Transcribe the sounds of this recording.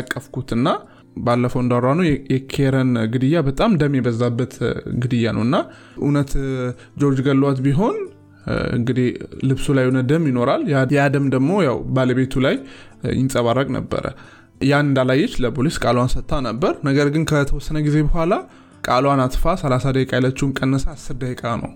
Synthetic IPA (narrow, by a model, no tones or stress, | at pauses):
akʼːəfkʰut̪ɨnːa | balːəfəwɨnd̪aɾanəwjjɛkʰeɾənɡɨd̪ɨjːabət̪ʼamd̪əmːjɛbəzːabːət̪ɡɨd̪ɨjanə̰wɨnːa | ʔṵnət̪ | d͡ʒo̞ɾd͡ʒɡəlːwat̪biɦo̞n | ɨ̰ŋɡɨd̪ihlɨβsulajunəd̪əmjɪno̞ɾaljajad̪əmd̪əɡmo̞jawbaləβe̞t̪ʰulaj | jɪ̰nsʼəβaɾːəkʼnə̰bːə̰ɾə̰ | janɨnd̪alajːɪt͡ʃːləpʰoliskʼalwansət̪ʼːanəbːəɾnəɡəɾɡɨnkʰət̪ʰəwɔsːənəɡize̞bəɦʷala | kʼalwanat̪fasəlasad̪əkʼalət͡ʃːuwɨnkʼənːəsaːsːɨɾd̪əhekʼanə̰w